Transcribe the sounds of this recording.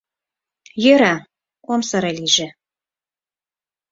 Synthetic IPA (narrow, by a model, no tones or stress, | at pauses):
jøɾɑ | omsɤ̆ɾelʲiʒĕ